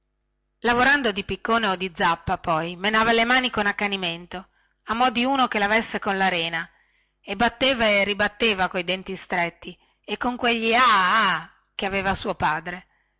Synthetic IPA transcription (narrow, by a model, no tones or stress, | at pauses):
lavoɾand̪od̪ipikːoːneod̪id̪zapːapɔjmenaːvalemaːnikonakːaniment̪o | amɔd̪iuːnokelavesːekonlaɾɛːna | ebat̪ːeːvaerːibat̪ːeːvakoid̪ɛnt̪ist̪ɾet̪ːi | ekːoŋkweʎːiaː | keaveːvasuːopaːd̪ɾe